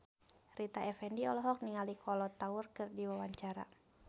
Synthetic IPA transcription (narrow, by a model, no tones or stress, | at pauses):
rit̪aʔɛfɛndiɔlɔɦɔk̚niŋalikʰɔlɔt̪aurkɨrdiwawaɲt͡ʃaɾa̰